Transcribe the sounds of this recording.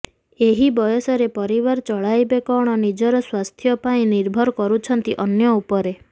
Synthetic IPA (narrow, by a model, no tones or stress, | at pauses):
eɦibɔjɔsɔɾepɔɾiβaɾt͡ʃɔɭajbekɔɽ̃ɔnid͡ʒɔɾɔswast̪ʰjɔpaĩniɾbʱɔɾɔkɔɾut͡ʃʰɔnt̪iʔɔnjɔupɔɾe